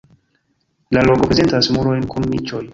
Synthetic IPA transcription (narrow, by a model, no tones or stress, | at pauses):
lalokopɾe̞ze̞ntasmuɾo̞jnkʰunmḭt͡ʃo̞j